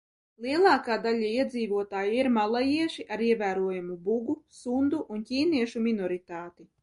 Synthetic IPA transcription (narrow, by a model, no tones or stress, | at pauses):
lˠiɛlˠɑːkaːd̪alʲaiɛd̪ziːvuɔt̪aːjiiɾmalˠajiɛʃiʔaɾiɛvæːɾuɔjamubuɡusund̪uʔːncʲiːniɛʃuminɔɾit̪aːt̪i